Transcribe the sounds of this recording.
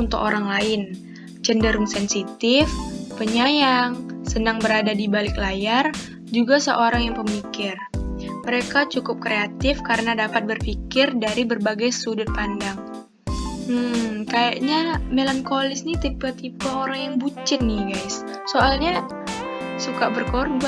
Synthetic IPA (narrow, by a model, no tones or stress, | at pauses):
unt̪ʊkoɾaŋlaɪn | t͡ʃəndəɾʊŋsɛnsit̪ɪfpəɲajaŋsənaŋbəɾadadibalɪklajar | d͡ʒuɡasəʔoɾaŋjaŋpəmikɪrməɾekat͡ʃukʊp̚kɾeat̪ɪfkaɾənadapat̪̚bərfikɪrdaɾibərbaɡajsudʊt̪̚pandaŋ | m̩kajaʔɲamelankolɪsnit̪ipat̪ipaoɾaŋjaŋbut͡ʃɪnːɪɡajs | soʔalɲa | sukabərkorbua